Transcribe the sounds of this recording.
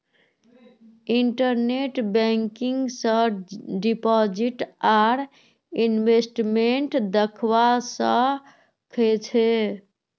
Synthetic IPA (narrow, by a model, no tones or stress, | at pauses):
iɳʈəɾneʈbɛ̃ŋkiŋɡsə̃ɖipɔd͡ʒiʈaɾ | inbesʈmeɳʈd̪əkʰwasə̃ | kʰet͡ʃʰe